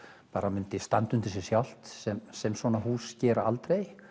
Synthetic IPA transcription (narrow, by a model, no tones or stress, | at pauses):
paːɾamʏnt̪ɪst̪ant̪ʏnt̪ɪs̬ɛsjawl̥t̪sɛmsɛmsvɔːnaɦuːscɛːɾaa̰lt̪ɾej